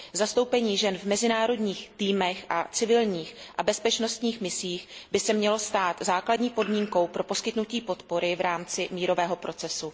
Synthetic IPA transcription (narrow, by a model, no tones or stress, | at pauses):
zast̪o̞wpɛɲiːʒɛnvmɛzɪnaːɾo̞dɲiːxt̪iːmɛxʔa̰t͡sɪvɪlɲiːxʔabɛspɛt͡ʃno̞st̪ɲiːxmɪsiːxbɪsɛmɲɛlo̞st̪aːt̪zaːkladɲiːpo̞dmiːŋko̞wpɾo̞po̞skɪt̪nuciːpo̞t̪po̞ɾɪvɾaːmt͡sɪmiːɾo̞vɛːɦo̞pɾʔo̞t͡sɛsu